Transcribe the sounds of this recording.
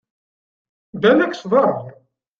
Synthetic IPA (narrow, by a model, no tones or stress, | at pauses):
d̪ænækːsðˤɑɾˤ